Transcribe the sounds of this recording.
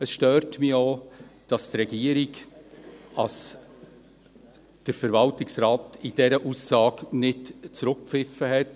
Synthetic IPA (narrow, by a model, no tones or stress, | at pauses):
əsʃtøːɾtmioːd̥ɑstrɛɡ̥iəɾiɡ | ɑs | d̥əɾfəɾvɑltɪksɾaːtɪd̥ɛɾəʔusːɑːknɪtt͡sɾʊk̚pfɪfəɦɛt